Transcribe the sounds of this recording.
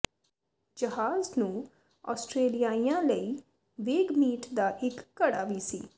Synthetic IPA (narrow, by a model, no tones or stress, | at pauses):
d͡ʒəɦaːznũː | ɔ̰ːsʈɾeːlijaːijãləi | ʋeːɡmiːʈd̪aʔɪkːɐɽa̰ːʋisḭː